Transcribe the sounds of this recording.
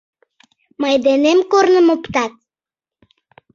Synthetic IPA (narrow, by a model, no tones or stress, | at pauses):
mɑjd̪enemkornəmopt̪ɑt̪̚